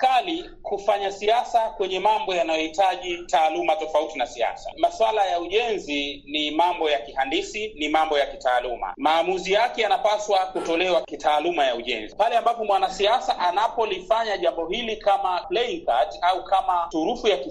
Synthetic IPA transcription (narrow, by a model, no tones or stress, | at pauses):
kali | kufaɲasiasakwɛɲɛmambɔjanajɔhitaʄitaːlumatɔfautinasia̰sa̰maswalajauʄɛnzinimambɔjakihandisinimambɔjakitaːluma̰maːmuzijakɛjanapaswakutɔlɛwakitaːlumajauʄɛ̰nzipalɛambapɔmwanasiasaʔanapɔlifaɲaʄambɔhilikamaplɛiŋkataukʰamatuɾufujaki